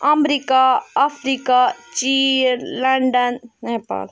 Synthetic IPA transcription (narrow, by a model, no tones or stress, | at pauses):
ɐmɾikaːpʰɾikat͡ʃinləɳɖənnepa̰l